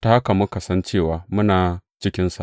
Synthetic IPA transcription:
ta˨ha˦ka˨mʊ˦ka˨sɐ˦nt͡ʃeː˦˨waː˨mʊ˦naː˨t͡ʃɪ˦kʲɪ˦nsa̰˨ʔ

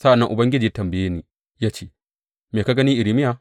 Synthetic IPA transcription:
sa˦ʔa˨nːɐ˦ŋʔʊ˨bɐ˦ŋɡʲɪ˦d͡ʒiː˨˦a˦tɐ˨mbɪ˨jeː˦niː˨ | jaː˦t͡ʃeː˦ | meː˨ka˦ɡɐ˦niː˦ʔɪ˨ɾi˨mɪ˦ja˨

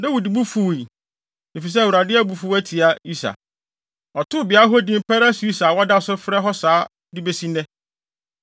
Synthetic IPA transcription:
dã˦wu˨di˨bu˦fu˨i˨ | i˨fi˨s̬ɛ˦˨wu˨ɾa˨dɪ˦æ˦bu˨fu˦æ˦tʰi˨a˨i˦sa̰˨ | ɔ˨tʰʊ˦˨bɪ˨a˦ɦɔ˦dɪ̃˦m˦pʰɛ˦ɾa˦su˨˦i˦sa˨wɔ˦da˦ɔ˨sʊ˦fɾɛ˦ɦɔ˦saː˨˦ | dɪ˦be˦sĩ˦nɛ̃˦

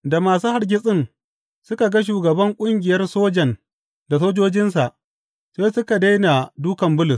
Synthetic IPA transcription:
da˨maː˨su˦ha˨rɡʲɪ˦sʼɪ˦ŋ | sʊ˦ka˨ɡa˦ʃ̬uː˨ɡɐ˨bɐ˦ŋkʷʼʊ˦ŋɡʲɪ˨jɐ˦rsoː˦d͡ʒɐ˨n | da˨s̬oː˦d͡ʒoː˦d͡ʒɪ˦nsa˨ʔ | seː˦sʊ˦ka˨da˦jna˨duː˦kɐ˨mbʊ˦lʊ˨s

